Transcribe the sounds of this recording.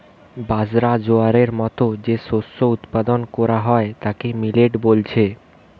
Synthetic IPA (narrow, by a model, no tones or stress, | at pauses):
bad͡ʑɾad͡ʑoaɾeɾmɔt̪od͡ʑeʃosːout̪pad̪onkɔɾaɦɔet̪akemileʈbolt͡ɕʰe